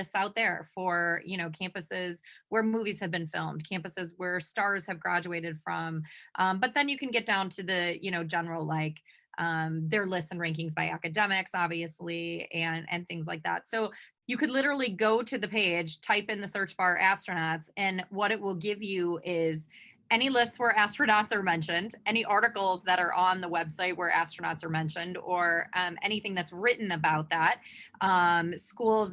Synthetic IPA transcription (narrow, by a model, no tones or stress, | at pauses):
ɪsaʊt̪̚ðə˞fə˞jɨɾ̃oʊkʰæ̃mpɨsɪz̥wə˞muviz̥ɨvbɨ̃nfɪ̰lˠmd̥̚kʰæ̃mpɨsɨzwə˞stɑɹz̥hɨvɡɹæd͡ʒʉeɪɾɨd̥fɹʌ̃mʔʌ̃mbʌt̪̚ðɨ̃njɨkʰɨ̃nɡɛt̚d̥ãʊ̃ntʰɨðɨjɨñoʊd͡ʒɛnə˞l̩ˠlaɪk | ʔʌ̃mðə˞lɪsɨ̃n̩ɹæ̃ŋkɪ̃ŋzbaɪækɨdɛmɪksɑbviɨsliɨ̃nɨ̰̃nθɪ̃ŋzlaɪk̚ðæ̰tsoʊ | jɨkɨdˡlɪɾə˞l̩ˠiɡoʊɾɨðɨpʰeɪd̥ʒ̥tʰaɪpɨ̃nðɨsɜ˞t͡ʃbɑʔæstɹ̥ɨnɑtsɨ̃nwʌɾɨt̚wɪlˠɡɪvjʉɪz | ɛñilɪstswə˞æstɹ̥ɨnɑtsə˞mɛ̃nʃɨ̃ndɛñiʔɑɹɾɨkl̩ˠzðɨɾə˞ʔə̃nðəwɛbsaɪt̚wə˞ʔæ̰stɹ̥ənɑ̰tsə˞mɛ̃nʃɨ̃ndə˞ʌ̃mʔɛñiθɪ̃ŋðɨtsɹɪʔn̩ɨbaʊt̪̚ðæt̚ʔʌ̃mskulˠz